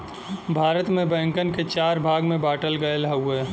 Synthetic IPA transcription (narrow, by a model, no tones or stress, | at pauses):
bʱaːɾət̪mẽbɛ̃ːŋkənket͡ʃaːɾbʱaːɡmẽbaːʈəlɡajəlɦɐweː